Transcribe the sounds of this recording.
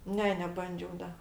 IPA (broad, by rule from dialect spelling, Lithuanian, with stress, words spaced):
ˈnʲɛ nʲɛˈbɐnʲd͡ʒʲɛʊ ˈdɐ